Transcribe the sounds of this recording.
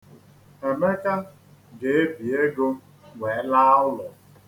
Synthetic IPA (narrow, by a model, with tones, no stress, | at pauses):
e˨me˦ka˦ | ɡe˨e˦bi˨e˦ɡo˦ | we˨˦la˦ʊ˦lʊ˨